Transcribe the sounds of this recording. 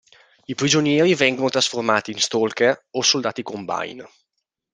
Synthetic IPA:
ipɾid͡ʒonjɛːɾivɛŋɡonot̪ɾasformaːt̪iːnst̪olkeosold̪aːt̪ikomba̰jn

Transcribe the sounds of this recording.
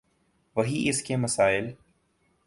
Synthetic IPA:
ʋɐɦiʔɪskemɐsaːɪl

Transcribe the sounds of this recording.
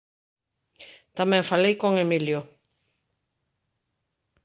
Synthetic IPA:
t̪amɛ̃ɱfalejkoŋemiljo

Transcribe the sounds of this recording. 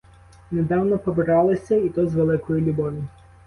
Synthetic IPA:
ned̪ɑwnɔpɔbɪɾɑlˠɔsʲɐit̪ɔzʋelˠɪkɔjilʲʊbɔʋʲi

